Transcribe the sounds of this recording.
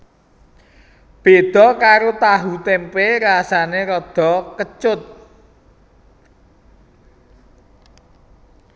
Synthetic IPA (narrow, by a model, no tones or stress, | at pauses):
b̥ed̪̥ɔ̤kaɾot̪aɦut̪empeɾasaneɾɔd̪̥ɔ̤kət͡ʃʊt̪̚